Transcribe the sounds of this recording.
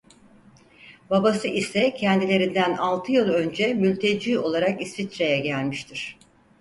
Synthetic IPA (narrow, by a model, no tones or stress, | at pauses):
babasɯʔisɛcʰɛnd̪ilʲe̞ɾind̪ænalˠt̪ʰɯjɯlˠø̞nd͡ʒɛmylʲt̪ʰe̞d͡ʒiːo̞lˠaɾakisfit̪ɾejɛɟælʲmiʃt̪ʰiɾ̝̥